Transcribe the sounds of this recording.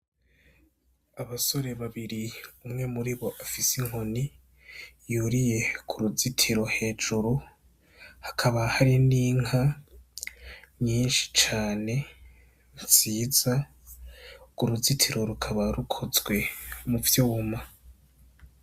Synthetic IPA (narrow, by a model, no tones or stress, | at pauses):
aβaso̞ɾe̞βaβiɾiumŋe̞muɾiβo̞ʔafisiŋoni | juɾije̞kʰuɾuzitʰiɾo̞he̞ːd͡ʒuɾu | hḁkʰaβahaɾiniːŋa | ɲiːnʃi̥t͡ʃaːne̞ | βaziːz̥a | kuɾuzitʰiɾo̞ɾukʰaβaɾukʰozɡwe̞muvjouma